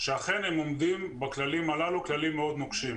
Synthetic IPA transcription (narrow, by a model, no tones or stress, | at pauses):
ʃeaχe̞nhemo̞md̪imbaklalimalaluklalimːeo̞d̪noɡʃim